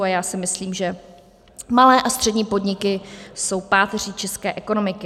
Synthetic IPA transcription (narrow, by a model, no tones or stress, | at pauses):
ajaːsɪmɪsliːmʒɛ | malɛːʔast̪r̥ɛdɲiːpo̞dɲɪkɪso̞wpaːt̪ɛr̝it͡ʃɛskɛːʔɛko̞no̞mɪkɪ